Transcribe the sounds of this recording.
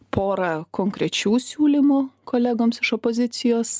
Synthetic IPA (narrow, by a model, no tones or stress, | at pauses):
pʰoːɾɐkoːŋkɾʲɛt͡ʃʲuːsʲuːlʲɪmʊkoːlʲæɡoːmsɪʃopozʲɪt̪sʲɪjoːs